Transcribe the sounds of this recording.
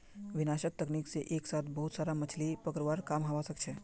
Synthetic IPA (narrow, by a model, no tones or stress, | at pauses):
ʋɪnaʃək̚t̪əknikseʔeksat̪ʰbəɦut̪saːɾamət͡ʃʰlipəkɾʋaɾkamɦaʋasək̚t͡ʃʰe